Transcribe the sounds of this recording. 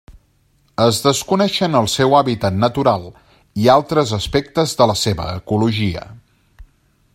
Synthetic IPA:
əzðəskunɛʃənəlˠsewaβit̪ət̪nət̪uɾalˠ | ialˠt̪ɾəzəspɛkt̪əzðələseβə̰ːkuluʒiə̰

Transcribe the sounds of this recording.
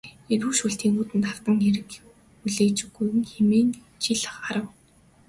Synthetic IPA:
eɾuːʃuɬt̪ʰiːŋuːt̪ɘ̆nt̪ar̥t̪ə̆ŋeɾɘ̆k | uɮeːt͡ɕɡujɘ̆ŋxemeːn | t͡ɕʰiɮə̆χaɾə̆w

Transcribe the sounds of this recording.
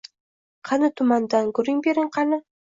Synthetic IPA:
qʰɑnɪt̪ʰʊmand̪anɡʊɾɪŋbeɾɪŋqʰɑnɪ

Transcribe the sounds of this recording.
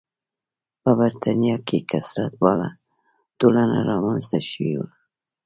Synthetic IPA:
pəbaɾt̪ʰanijɑkekasɾat̪̚bɑla̰ | d̪̥olana̰ɾɑmanzt̪aʃwiwa

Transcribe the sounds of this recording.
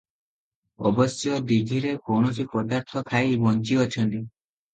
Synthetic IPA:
ɔbɔsjɔd̪iɡʱiɾekoɳot͡ʃʰipɔd̪aɾt̪ʰɔk̪ʰajbɔnt͡ʃiɔt͡ʃʰɔnt̪i

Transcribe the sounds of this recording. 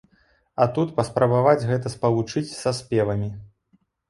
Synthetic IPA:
ɐt̪ut̪pɐspɾɐbavad͡zʲɣɛt̪̬ɐspɐlˠut͡ʂɨt͡sʲsɐspʲɛvɐmʲi

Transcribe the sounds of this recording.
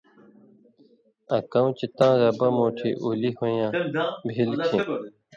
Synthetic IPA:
ɐkɐ̃ũt͡ɕit̪ãːzɐbɐmoːʈʰḭʔulihojãːbʱilkĩ

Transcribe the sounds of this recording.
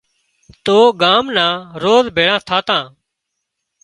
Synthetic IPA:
t̪oːɡaːmnãːɾoːzbʱeːɽãːt̪ʰaːt̪ãː

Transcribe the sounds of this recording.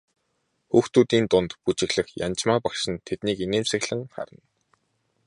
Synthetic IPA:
xuːxt̪uːt̪iːnt̪ʊnt̪put͡ɕɪ̆ɣɮə̆xja̰nt͡ɕmaːpakʃɪ̆nt̪ʰet̪niːkineːmsɘ̆ɣɮɘ̆ŋχa̰ɾə̆n

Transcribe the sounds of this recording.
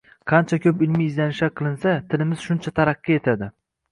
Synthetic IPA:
qʰɑnt͡ʃʰakʲʰɵpɪlmiːzd̪anɪʃaqʰɨlˠɪnsat̪ʰɪlɪmɪz̥ʃʊnt͡ʃʰat̪ʰaɾɑqːie̞t̪ʰad̪ɪ

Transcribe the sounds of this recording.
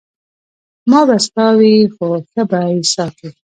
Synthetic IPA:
mɑbast̪ɑwixoxəbaisɑka

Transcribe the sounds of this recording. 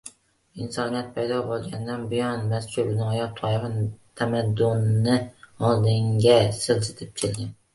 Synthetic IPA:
ɪnsɒnijat̪̚pʰajd̪ɒbolˠɡʲand̪anbɪjɒnmast͡ʃʰʊbnɪjɒt̪ʰɒjɪχɪnt̪ʰamad̪ːʊnːɪɒlˠd̪ɪŋɡʲasɪlsɪt̪ʰɪp̚t͡ʃʲʰɪlɡʲan

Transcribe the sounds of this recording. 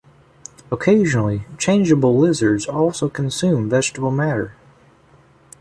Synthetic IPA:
əkʰeɪʒɨnl̩ˠit͡ʃʰẽɪ̃nd͡ʒəbl̩ˠlɪzə˞dzɔlˠsoʊkʰn̩sʉ̃ɱvɛd͡ʒtəbl̩ˠmæɾə̰˞

